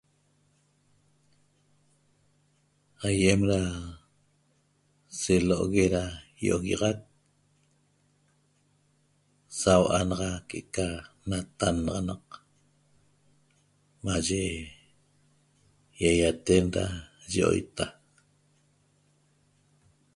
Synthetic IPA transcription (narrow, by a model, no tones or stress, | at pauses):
hajemɾa | seloʔoɣeɾajoʔoɣiʁɑt̪̚ | sawʔanɑʁɑkeʔekanat̪anɑʁɑnɑq | maʒe | jajat̪enɾa̰ʒʔo̰jt̪a